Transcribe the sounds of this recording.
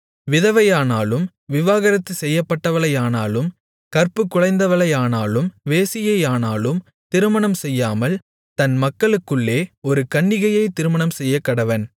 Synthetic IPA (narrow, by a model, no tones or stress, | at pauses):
ʋɪðɐʋɐjaːnaːlɯm | ʋɪʋaːɣɐɾɐt̪ːɯsɛjːɐpːɐʈːɐʋɐɭɐjaːnaːlɯm | kɐɾpɯkːʊɻɐɪnd̪ɐʋɐɭɐjaːnaːlɯmʋeːsɪjɐjaːnaːlɯm | t̪ɪɾɯmɐɳɐmsɛjːaːmɐl | t̪ɐnmɐkːɐɭɯkːɯɭːeːɔɾɯkɐɳːɪɣɐjɐɪt̪ɪɾɯmɐɳɐmsɛjːɐkːɐɽɐʋɐn